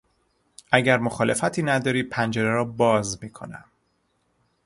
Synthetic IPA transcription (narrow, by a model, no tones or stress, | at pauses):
ʔæɟæɾmoxɒːle̞fæt̪ʰiːnæd̪ɒːɾiːpʰænd͡ʒeɾeɾɒːbɒːzmiːkʰo̞̰næ̰m